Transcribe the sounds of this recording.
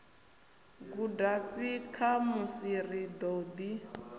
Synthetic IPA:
ɡudaɸikʰamusirid̪ɔd̪i

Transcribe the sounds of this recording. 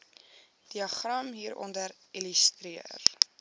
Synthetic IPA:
d̥iɐχrɐmɦiːɾɔ̰ndəɾiləst̪ɾiə̰r

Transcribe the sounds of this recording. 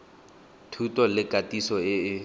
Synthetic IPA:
tʰutʼɔlɪkatʼisɔɪɪ

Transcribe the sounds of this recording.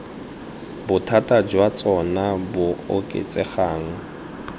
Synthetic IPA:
bʊtʰatʼad͡ʒwat͡sʼɔnabʊokʼḛt͡sʼɛχaːŋ̩

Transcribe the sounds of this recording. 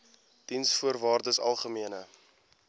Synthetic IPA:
d̥insfuərvɑːrdəsɐ̰lˠχəmiənə

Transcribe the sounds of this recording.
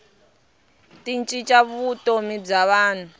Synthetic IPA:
tint͡ʃʼit͡ʃʼaβutʼomib͡ʐaβaːn̤u

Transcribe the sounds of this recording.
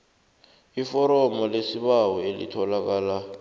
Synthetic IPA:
ifɔɾɔmɔlesiɓawɔelḭtʰɔlak̬aːla

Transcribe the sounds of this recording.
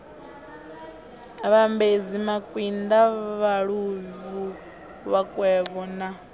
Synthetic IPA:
βambed͡zimakʼwindaβaɺuβu | βakʼwɛβɔna

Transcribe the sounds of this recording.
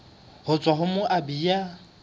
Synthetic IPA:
hʊt͡sʼwaɦʊmʊʔabija

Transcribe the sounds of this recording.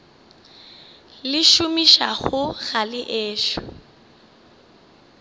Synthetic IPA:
lɪʃʊmiʃa̰ɣʊɣalɪʔeːʃɔ̥̰

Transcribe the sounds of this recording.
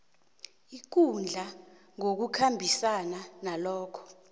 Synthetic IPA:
ik̬und͡ɮʱa | ŋok̬ukʰambʱisananalɔːkʰɔ̥

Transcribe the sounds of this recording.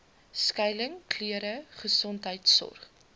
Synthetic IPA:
skɛjləŋkʰliəɾəχəsɔntɦəjtsɔ̰rχ

